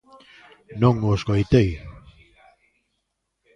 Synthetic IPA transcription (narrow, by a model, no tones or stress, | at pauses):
noŋoskojt̪ej